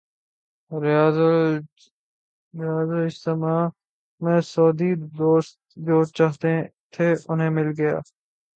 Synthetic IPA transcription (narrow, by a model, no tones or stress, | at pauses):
ɾ | ɾɪjaːzəlɪst̪emaː | mẽːsɔːd̪id̪oːst̪̚d͡ʒoːt͡ʃaːɦt̪et̪ʰeːʔʊnɦẽːmɪlɡɐja̰ː